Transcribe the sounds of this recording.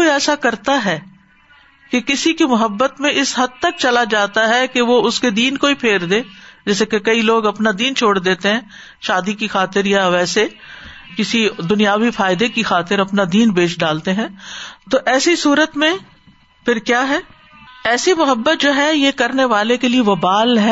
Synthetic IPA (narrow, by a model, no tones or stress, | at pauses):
oiɛːsakɐɾt̪aɦɛː | kekɪsikimʊɦəbːət̪mẽʔɪsɦɐd̪̚t̪ɐk̚t͡ʃɐlad͡ʒaːt̪aɦɛkeʋoʊsked̪iːnkoipʰeːɾd̪eːd͡ʒɛːsekekɐiloːɡɐpnad̪iːnt͡ʃʰoːɽd̪eːt̪eɦɛ̃ː | ʃaːd̪ikixaːt̪ɪɾjaʋɛːse | kɪsid̪ʊnijaːʋifaːɪd̪ekixaːt̪ɪɾɐpnad̪iːnpeːʃɖaːlt̪eɦɛ̃ːt̪oʔɛːsisuːɾət̪mẽ | pʰɪɾkjaːɦɛː | ɛːsimʊɦəbːət̪̚d͡ʒoːɦɛjekɐɾneʋaːlekelieʋɐbaːlɦɛː